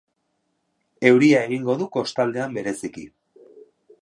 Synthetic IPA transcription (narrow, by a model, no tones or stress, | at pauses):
e̞wɾiae̞ɣ̞iŋɡo̞ðuko̞st̪ald̪e̞ambe̞ɾe̞sikḭ